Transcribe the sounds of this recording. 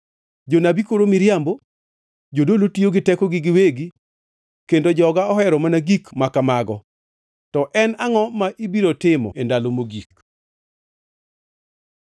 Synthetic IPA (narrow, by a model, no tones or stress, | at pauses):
d͡ʒonabikoɾomɪɾjambo | d͡ʒodolotioɡɪtɛkɔɡɪɡɪweɡi | kendod͡ʒɔɡaɔɦɛɾɔmanaɡikmakamaɡɔ | tɔʔɛnaŋɔmaʔibiɾotɪmɔ̰endalomoɡik